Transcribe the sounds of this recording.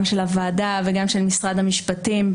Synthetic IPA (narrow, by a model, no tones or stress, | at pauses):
mʃelavaːdaveɡamʃe̞lmisʁad̪hamiʃpatim